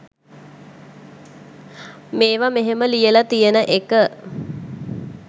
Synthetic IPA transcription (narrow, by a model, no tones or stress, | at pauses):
meːʋameɦeməlijəlat̪ijənəʔekə